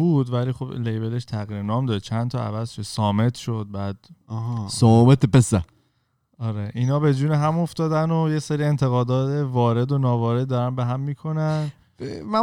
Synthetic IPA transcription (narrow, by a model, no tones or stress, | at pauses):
buːd̪væliːxo̞blejbele̞ʃt̪ʰæɣiːɾenɒːmd̪ɒʃt͡ʃʰænt̪ʰɒæ̰væzʃod̪̥sɒːme̞t̪ʰʃo̞d̪̚bæːd̪̥̚ɦsomet̪epesæ | ɒɾeʔinɒːbe̞d͡ʒuːneɦæmo̞ft̪ɒːd̪ænojeseɾie̞nt̪ʰeɣɒːd̪ɒːt̪ʰevɒːɾe̞d̪onɒːvɒːɾed̪̚ːɒɾænbeɦæmːiːkʰo̞næn | mæ